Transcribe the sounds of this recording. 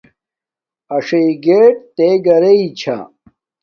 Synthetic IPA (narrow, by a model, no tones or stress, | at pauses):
ɐʂɐiɡeːʈ̚t̪eːɡɐɾeit͡ɕʰa̰